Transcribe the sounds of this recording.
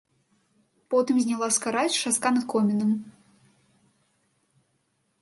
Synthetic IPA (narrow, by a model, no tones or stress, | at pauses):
pɔt̪ɨmzʲnʲalˠaskaɾaʂaskanɐt̪kɔmʲɛnɨm